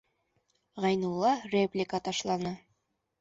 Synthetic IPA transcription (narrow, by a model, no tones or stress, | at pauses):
ʁɑjnulˠːɑrʲeplʲɪkət̪ɑʃlˠɑnɤ